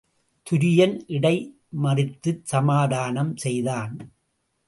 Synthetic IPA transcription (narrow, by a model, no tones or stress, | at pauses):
t̪ʰʊɾɪjɐnʔɪɽɐɪ | mɐrɪt̪ːɯsɐmaːðaːnɐmsɛjðaːn